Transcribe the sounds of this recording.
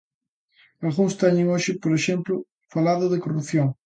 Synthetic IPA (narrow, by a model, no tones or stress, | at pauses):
alɣuŋst̪ɛɲeŋoʃɪpoɾeʃemplʊ | falaðʊðɪkorupθjoŋ